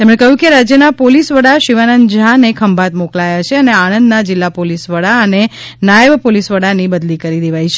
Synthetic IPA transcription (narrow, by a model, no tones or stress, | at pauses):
t̪emɳekəɦjũkeɾad͡ʒjənapolisʋəɽaʃiʋanənd͡ʒanekʰəmbʱat̪moklajat͡ʃʰeəneanənd̪nad͡ʒɪlːapolisʋəɽaəne | najəʋpolisʋəɽanibəd̪likəɾid̪eʋajt͡ʃʰe